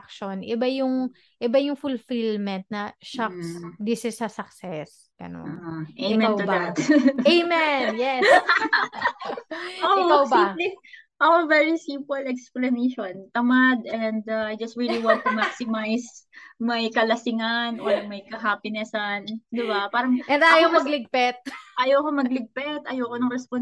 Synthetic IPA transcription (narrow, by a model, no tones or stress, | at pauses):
kʃonʔɪbajʊŋ | ʔɪbajʊŋfʊlfilmɛnt̪̚nɐʃaksd̪isɪsɐsɐksɛs | ɡ̥ɐ̰no̰nʔemɛ̃aw̪ʊbat̪emɛjɛs | oɪkawbĩli | ʔɐkovɛɹisimpɛlɛksplɐneʃont̪ɐmad̪ɛnd̪aajd͡ʒɐst̪ɹiliwãnt̪ʊmaksɪmajsmɐjkɐlɐsɪŋɐnʔomɐjkɐɦaːpɪnɛsɐnd̪ɪbapaːɾɐŋʔɛnajomɐɡlɪɡ̚pɛt̪̚ʔajoːkomɐɡ̚lɪɡ̚pɛt̪ʔɐjoːkonɐŋɾɛspon